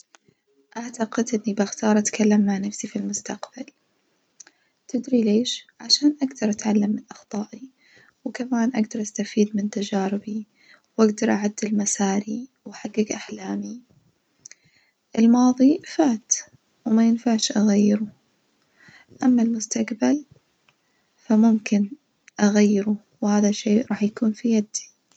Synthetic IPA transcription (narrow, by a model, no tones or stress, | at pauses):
ʔaʕt̪aqɪd̪ʔɪnːibaxt̪ɑːɾˤʔat̪kalːamːaʕnafsifilmʊst̪aqb̥al | t̪ɪd̪ɾileːʃʕaʃaːnʔaɡd̪ɑɾˤʔat̪ʕalːamːɪnʔɑxt̪ˤɑːʔi | wkamaːnʔaɡd̪ɑɾˤʔast̪afiːd̪mɪnt̪ad͡ʒaːɾɪbi | wʔaɡd̪ɑɾˤʔaʕad̪ːɪlmasaːɾiwaħaɡːɪɡʔaħlaːmi | ʔɪlmɑːðˤifaːt̪ | wmajɪnfaʕʃʔaɣajːɪɾu | ʔamːalmʊst̪aqbal | famʊmkɪn | ʔaɣajːɪɾu | whaːðaʃeːʔɾˤɑːħjakuːnfijad̪i